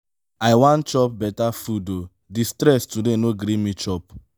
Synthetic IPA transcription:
aɪwãntt͡ʃɔp̚bɛtafudo | distɾɛstudenoɡɾimit͡ʃɔp

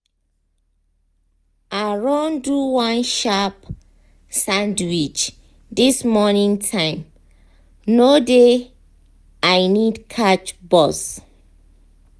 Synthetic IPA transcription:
aɹõnduwãnʃap | sãndwit͡ʃ | dismɔnĩŋtʰãɪ̃m | node | ajnidkʰat͡ʃbɔs

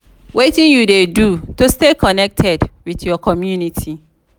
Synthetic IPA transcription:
wetĩnjudedutustekʰɔnɛk̚tʰɛdwiθjɔkʰɔmjunitʰi

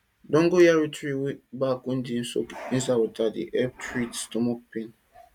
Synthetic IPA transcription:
dɔ̃ŋɡojaɾitɾiwbakun̩din̩so̰kĩn̩s̬awotadḭʔɛp̚tɹitstɔmɔk̚pẽn

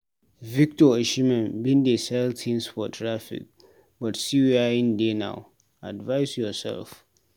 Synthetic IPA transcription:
vik̚tʰɔeʃimɛ̃nbĩndesɛltʰĩnsfɔtʰːɾafḭk̚ | bɔtsiwiaĩndenã̰ʊ | a̰dvaɪsjɔsɛ̰lf

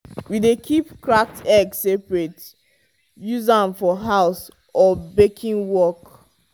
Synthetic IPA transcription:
widekʰipkɹak̚tɛɡsːepɹet | juzãnfɔɦaʊs | ɔbekʰĩŋwɔk

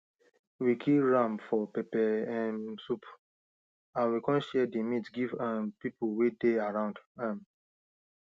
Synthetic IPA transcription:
wikʰiɹãmfɔpɛpɛɛ̃sup | awikɔ̃nʃɛdimĩtɡivanpipuwedeaɹãʊ̃ndãm

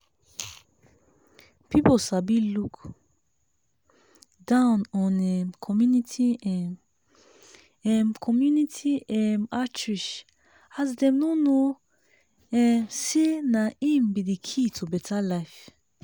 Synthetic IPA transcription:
pʰiposabiluk | dãʊ̃nɔ̃nɛkʰɔmjunitʰiɛ̃ | ɛ̃mkʰɔmjunitʰiɛ̃nat͡ʃɹiʃ | azdɛ̃mnono | ɛ̃senaĩmbidikʰitʰubɛtʰalaɪf

